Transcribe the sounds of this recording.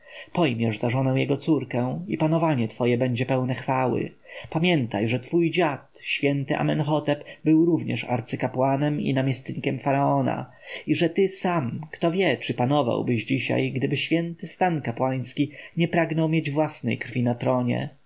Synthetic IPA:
pɔjmʲjɛʐzaʐɔnɛw̃jɛɡɔt̪suɾkɛipanɔvaɲɛt̪fɔjɛbɛɲd͡ʑɛpɛwnɛxfawɘ̰ | pamʲjɛnt̪a̰jʐɛt̪fujd͡ʑat̪ɕfʲjɛnt̪ɘʔa̰mɛnxɔt̪ɛpbɘwɾuvɲɛ̰ʂa̰ɾt̪sɘkapwanɛmḭnamʲɛst̪ɲikʲɛmfaɾaɔna̰ | iʐɛt̪ɘsamkt̪ɔvʲjɛt͡ʂɘpanɔva̰wbɘʑd͡ʑiɕa̰jɡd̪ɘbɘɕfʲjɛnt̪ɘst̪ankapwaj̃skʲiɲɛpɾaɡnɔwmʲjed͡ʑvwasnɛ̰jkɾfʲinat̪ɾɔɲɛ̰

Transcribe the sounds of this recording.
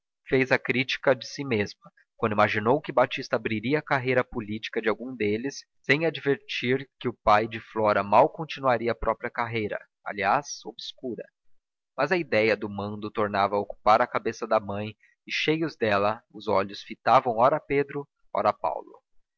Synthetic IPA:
fezɐkɾit͡ʃi̥kɐd͡ʒɪsimezmɐ | kwɐ̃d̪ʊimaʒinowkɪbat͡ʃist̪ɐabɾiɾiɐːkaɦejɾɐpʊlit͡ʃi̥kɐd͡ʒɪawɡũd̪elɪsːẽj̃ad͡ʒveɾt͡ʃiɾkɪʊpajd͡ʒɪflɔɾɐmawkõt͡ʃinuaɾiɐːpɾɔpɾiɐkaɦejɾɐ̰ | a̰liaso̰bskuɾɐ̰ | mɐzɐid̪ɛjɐd̪ʊmɐ̃nd̪ʊt̪oɾnavɐoku̥paɾɐkabesɐd̪ɐmɐ̃j̃ | ɪʃejʊzd̪ɛlɐʊzɔʎʊsfit̪avɐ̃w̃ɔɾɐped̪ɾʊ | ɔ̰ɾɐpa̰wlʊ̰

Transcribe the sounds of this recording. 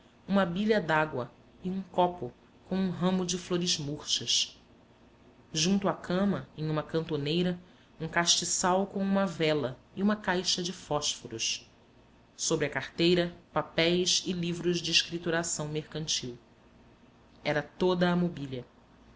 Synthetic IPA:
ũmɐbiʎɐd̪aɡwɐ | ɪũŋkɔpʊ | kõw̃ũɦɐ̃mʊd͡ʒɪfloɾɪzmuχʃɐʃ | ʒũnt̪ʊakʰɐ̃mɐẽj̃ũmɐkɐ̃nt̪onejɾɐ | ũkaʃt͡ʃɪsawkõw̃ũmɐvɛlɐɪũmɐkajʃɐd͡ʒɪfɔʃfoɾuʃ | sobɾɪɐkaɾt̪ejɾɐpapɛjsɪlivɾʊʒd͡ʒɪːʃkɾit̪uɾasɐ̃w̃mehkɐ̃nt͡ʃiw | ɛɾɐt̪od̪ɐːmobiʎɐ

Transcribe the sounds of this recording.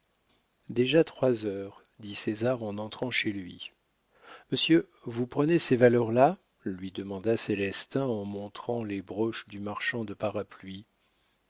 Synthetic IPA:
d̪eʒat̪χwazœʁ | d̪isezaʁɑ̃nɑ̃t̪χɑ̃ʃelɥi | məsjø | vupχənesevalœʁla | lɥid̪əmɑ̃d̪aselɛst̪ɛ̃ɑ̃mɔ̃t̪χɑ̃lebʁɔʃd̪ymaʁʃɑ̃d̪əpaʁaplɥi

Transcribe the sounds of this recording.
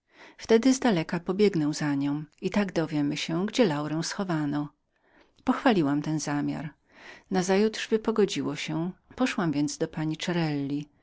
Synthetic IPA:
ft̪ɛd̪ɘzd̪alɛkapɔbʲjɛɡnɔwzaɲɔ̃w̃it̪aɡd̪ɔvʲjɛmɘɕɛɡd͡ʑɛlawɾɛw̃sxɔvanɔ | pɔxfalʲiwamt̪ɛnzamʲja̰ɾ | nazajut̪ʂvɘpɔɡɔd͡ʑiwɔɕɛpɔʂwamvʲjɛnd̪zd̪ɔpaɲit͡ʂɛɾɛlːi

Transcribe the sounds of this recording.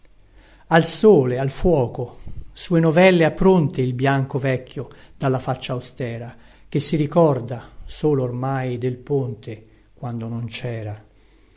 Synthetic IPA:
alsoːlealfwɔːkosuːenovɛlːeapːɾont̪eilbjaŋkovɛkʰʲːjod̪̥alːafat͡ʃːaːwst̪ɛːɾa | k̟esːiɾikɔrd̪asoːloːrmajd̪elpont̪e | kwand̪onont͡ʃɛːɾa

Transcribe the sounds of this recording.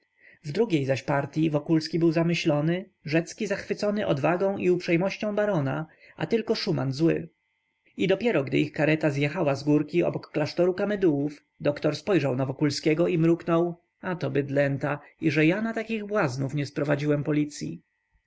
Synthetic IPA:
vd̪ɾuɡʲejzaɕpaɾt̪ʲjivɔkulskʲibɘwzamɘɕlɔnɘ | ʐɛt̪skʲizaxfɘt̪sɔnɘʔɔd̪vaɡɔ̃w̃ʔiupʂɛjmɔɕt͡ɕɔ̃w̃baɾɔna | ʔa̰t̪ɘlkɔʂuma̰nzwɘ̰ | id̪ɔpʲjɛɾɔɡd̪ɘ̰ixkaɾɛt̪azjɛxawazɡuɾkʲiɔ̰bɔkːlaʂt̪ɔɾukamɛd̪uwuf | d̪ɔkt̪ɔɾspɔjʐawnavɔkulskʲɛɡɔimɾuknɔw | at̪ɔbɘd̪lɛnt̪a | iʐɛjanat̪akʲiɣbwaznufɲɛspɾɔvad͡ʑiwɛmpɔlʲit̪sʲjḭ

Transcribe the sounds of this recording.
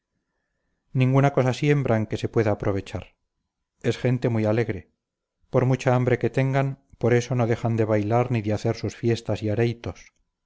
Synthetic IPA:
nĩŋɡunako̞sasje̞mbɾʔaeŋke̞se̞pwe̞ðaːpɾʔo̞β̞e̞t͡ʃaɾ | e̞sxe̞nt̪e̞mujale̞ɣɾe̞ | po̞ɾmut͡ʃaambɾe̞ke̞t̪e̞ŋɡanpo̞ɾe̞so̞no̞ðe̞xand̪e̞βajlaɾniðeaθe̞ɾsusfje̞st̪asiaɾe̞jt̪o̞s

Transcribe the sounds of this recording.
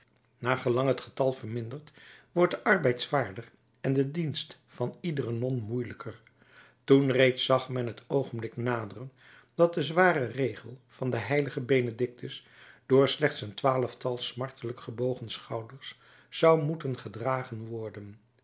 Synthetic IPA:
naːχəlɑŋɦətχə̥tɑlˠvəɹmɪndəɹtʋɔɹt̚dəʔɑɹbɛjtsʋaːɹdər | ɛndədinst | fɑnidərənɔnmujləkʰər | tunrejtsɑχmɛnɦətʰowχənblɪknaːdərən | d̥ɑt̚dəzʋaːrərejχəlˠv̥ɑndəɦɛjləχəbejnədɪk̚təs | d̥ʊːɹslɛχtsəntʋaːləftɑlˠsmɑɹtʰələkχəbowχənsχɑwdəɹsː | ɑwmutənχədraːχənʋɔɹdən

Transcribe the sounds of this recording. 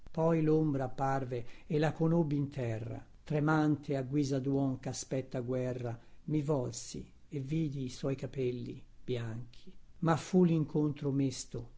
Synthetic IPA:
pɔjlombɾaparveelːakonobːint̪ʰɛrːa̰ | t̪ɾemant̪ʰeaɡwiːzad̪wɔŋkaspɛt̪ːaɡwɛrːamivɔlsḭ | evːiːd̪iːswɔjkapɛlːḭb̥jaŋk̟ʰi̥mafuliŋkʰont̪ɾomest̪o

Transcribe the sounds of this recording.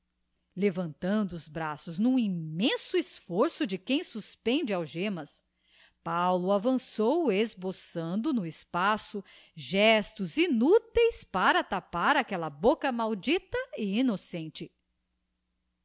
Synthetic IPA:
levɐ̃nt̪ɐ̃nd̪ʊːzbɾasʊznũimẽsʊisfoɾsʊd͡ʒɪkẽj̃suspẽnd͡ʒɪawʒẽmɐs | pawlʊavɐ̃sowezbosɐ̃nd̪ʊnʊɪspasʊ | ʒɛst̪ʊzinut̪ejspaɾɐt̪apaɾakɛlɐbokɐmawd͡ʒit̪ɐiinosẽnt͡ʃɪ

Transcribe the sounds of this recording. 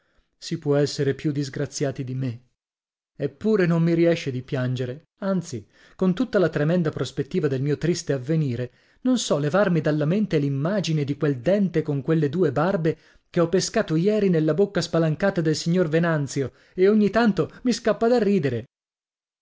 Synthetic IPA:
sipwɔɛsːeɾepjud̪ːizɡɾat̪sjaːt̪id̪ime | epːuːɾenomːiɾiɛʃːed̪ipjand͡ʒeɾe | ant̪si | kont̪ut̪ːalat̪ɾemɛnd̪apɾospet̪ːiːvad̪elmiːot̪ɾist̪eavːeniːɾe | nonsɔlevarmid̪alːament̪elimːaːd͡ʒined̪ikweld̪ɛnt̪ekoŋkwelːed̪uːebarbe | keɔpːeskaːt̪ojɛːɾinelːabokːaspalaŋkaːt̪ad̪elsiɲːorvenant̪sjo | eoɲːit̪ant̪omiskapːad̪arːiːd̪eɾe

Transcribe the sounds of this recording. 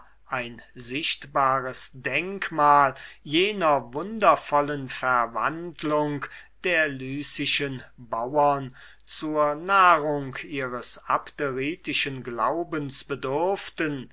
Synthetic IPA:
ʔaɪnzɪʃtbaːʁəsdɛŋkmaːljeːnɐvʊndɐfɔlənfɛɐva̰ndlʊŋkd̥eːɐlyːsɪʃənbawʊɐn | t͡suːɐnaːʁʊŋkiːʁəsapteʁiːtɪʃənɡla̰ʊbənsb̥ədʏɐftən

